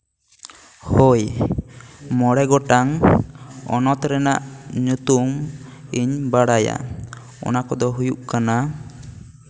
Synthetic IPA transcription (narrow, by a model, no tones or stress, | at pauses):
hoj | mɔɽɛɡɔʈaŋ | ɔ̰nɔt̪ɾɛnaʔɲut̪umiɲbaɽaja̰ | ɔ̰nakɔd̪ɔɦujuʔkana